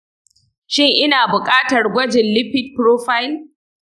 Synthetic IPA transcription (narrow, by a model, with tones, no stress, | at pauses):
ʃɪ˦˨ŋʔɪ˦naː˨bʊ˨kʼaː˦tɐ˨rɡʷɐ˦d͡ʒɪ˨nlɪ˦ɸɪ˦t̚pɾoː˦ɸa˦jɪ˦l